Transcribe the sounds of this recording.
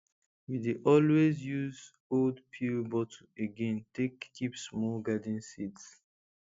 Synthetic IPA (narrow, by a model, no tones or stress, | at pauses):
wideʔɔlwezjuz | oldpʰiɹbɔtʰoeɡẽntektʰipsmɔɡadĩnsids